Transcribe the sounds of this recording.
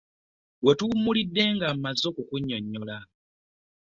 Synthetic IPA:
we̞tumulidːe̞ŋɡammazːo̞kukuɲːoɲːola

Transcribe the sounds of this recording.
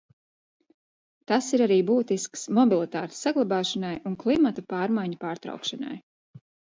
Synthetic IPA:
t̪asiɾaɾiːbuːt̪isksmɔbʲilˠit̪aːt̪sːaɡlˠabaːʃanajunklˠimat̪upɑːɾmajɲapaːɾt̪ɾa̰wkʃana̰j

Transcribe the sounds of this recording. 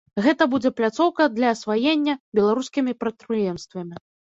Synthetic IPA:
ɣɛt̪ɐbud͡zʲɛplʲat̪sɔwkɐd̪lʲɐːsvajenʲːɐbʲɛlˠaɾuskʲimʲipɾɐt̪̚pɾɨjɛmst̪vɐmʲi

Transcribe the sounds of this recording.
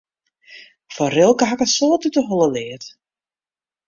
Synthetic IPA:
fɔrɪlˠkəɦakəsoːtytəɦolˠəlɪːət

